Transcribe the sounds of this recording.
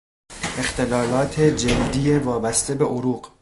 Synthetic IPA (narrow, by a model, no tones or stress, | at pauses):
e̞xt̪e̞lɒːlɒːt̪ʰe̞d͡ʒeld̪ijevɒːbæst̪e̞be̞ʔoɾuːq